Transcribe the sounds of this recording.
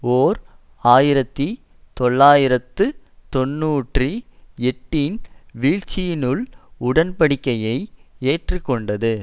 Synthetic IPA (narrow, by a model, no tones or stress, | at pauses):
oːɾ | aːjɪɾɐt̪ːi | t̪ɔɭːaːjɪɾɐt̪ːɯ | t̪ɔnːuːʈriɛʈːinʋiːɻt͡ʃːɪjɪnɯɭʊɽɐnpɐɽɪkːɐjɐɪeːʈrɯkːɔɳɖɐðɯ